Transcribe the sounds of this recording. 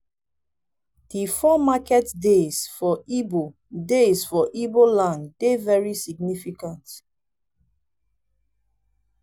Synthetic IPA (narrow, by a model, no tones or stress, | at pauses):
d̥ifɔmakɛtdesfɔibo | dezfɔʔibolãndevɛɹisiɡnifikãnt